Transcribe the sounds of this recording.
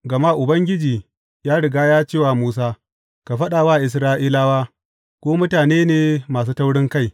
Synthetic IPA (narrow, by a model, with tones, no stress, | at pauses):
ɡɐ˨maː˦ʔʊ˨bɐ˦ŋɡʲɪ˦d͡ʒiː˨ | jaː˦ɽɪ˨ɡaː˦jaː˦t͡ʃeː˦˨waː˨muː˦s̬aː˦ | ka˨ɸɐ˦ɗaː˨waː˦˨ʔɪ˨s̬ɾaː˦ʔiː˦laː˦waː˦ | kʷoː˦mʊ˦taː˨neː˦neː˨maː˨s̬uː˦ta˦wɽɪ˦ŋka˦˨j